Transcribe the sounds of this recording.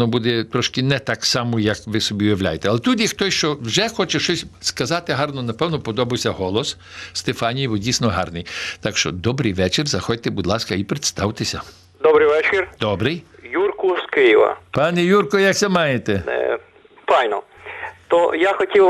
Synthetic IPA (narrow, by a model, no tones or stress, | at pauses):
nɔbud̪ɛt̪ɾɔʃkɪnɛt̪ɑksɑmɔjɐkʋɪsɔbʲiʋʲɪwlʲa̰jet̪ɛɑlˠɛt̪ud̪ʲixt̪ɔsʲʃt͡ʃɔwʒɛxɔt͡ʃɛʃt͡ʃɔsʲskɐzɑt̪ɪɦɑrnɔnɐpɛwnɔpɔd̪ɔbɐwsʲɐɦɔlˠɔs | st̪efɑnʲijʋɔdʲisʲnɔɦɑ̰rnɪjt̪ɑkʃt͡ʃɔ̰d̪ɔbɾɪjʋɛt͡ʃɪrzɐxɔd̚ʲt̪ɛbud̪lˠɑskɐipɾet̪st̪ɑwt̪esʲɐ | d̪ɔbɾɪjʋɛt͡ʃɪrd̪ɔbɾɪjjurkʊskɪjɪʋɐ̰pɑnɛjurkɔjɐksʲɛmɑjet̪ɛɛ̰ | fɑjnɔ̰ | t̪ɔjaxɔtʲiw